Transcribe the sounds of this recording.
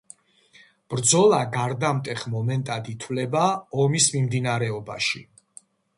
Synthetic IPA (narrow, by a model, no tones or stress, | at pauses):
b̥ɾd̪zɔlˠaɡaɾd̪amt̪ʼɛχmɔmɛnt̪ʼad̪it̪ʰvlɛbaɔmismimd̪inaɾɛɔba̰ʃḭ